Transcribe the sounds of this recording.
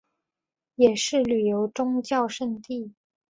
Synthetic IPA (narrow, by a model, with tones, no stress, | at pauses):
jɛ˨˩ʂɻ̩˥˩ly˨˩jo˧˥ʊʈ͡ʂʊ˥ŋt͡ɕjɑ˥˧ʊʂə˥˧nt̪i˥˩